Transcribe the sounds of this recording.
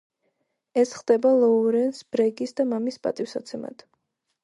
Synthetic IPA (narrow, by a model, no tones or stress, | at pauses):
ɛsχd̪ɛbalˠɔuɾɛnsbɾɛɡisd̪amamispʼa̰t̪ʼifsat̪sʰɛma̰d̪̥